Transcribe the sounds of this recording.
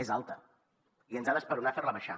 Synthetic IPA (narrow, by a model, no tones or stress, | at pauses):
ezalˠt̪ə | iənzaðəspəɾunaferləβəʃa̰